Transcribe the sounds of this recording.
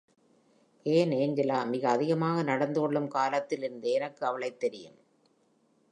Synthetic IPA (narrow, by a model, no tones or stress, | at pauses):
ʔeːneːɲd͡ʒɐlaːmɪɣɐːðɪɣɐmaːɣɐnɐɽɐnd̪ɯkɔɭːɯmkaːlɐt̪ːɪlɪɾɯnd̪ɯɛnɐkːɯɐʋɐɭɐɪt̪ːɛɾɪjɯ̰m